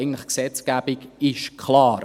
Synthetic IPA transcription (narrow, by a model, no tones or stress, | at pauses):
ɪɡn̩tləχksɛt͡sɡ̥æb̥iɡɪʃkʰχlɑːɾ